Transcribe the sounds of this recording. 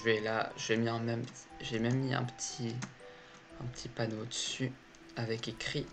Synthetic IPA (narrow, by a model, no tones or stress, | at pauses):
ʒvɛlaʒəvemiɛ̃mɛmpət̪i̥ʒemɛmːiɛ̰̃pə̥t̪ʰi | ɛ̃pət̪ʰipanod̪əsy | avɛkekχi